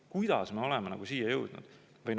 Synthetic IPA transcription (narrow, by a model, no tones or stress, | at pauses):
kujd̪̥ɑ̰sme̞o̞lemenɑɡ̥usiːjɑjɤwd̪̥nṵd̪̥ | vɤjn